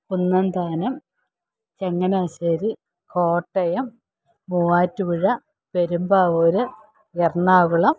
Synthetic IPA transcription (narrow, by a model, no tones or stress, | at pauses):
unːɐnd̪aːnɐm | t͡ɕeŋːɐnaːɕɐɾi | ko̞ːʈːɐjɐmː | uːaːtːukuɻɐ | pe̞ɾumbaːʋoɾɨ | jerɳaːɣuɭɐm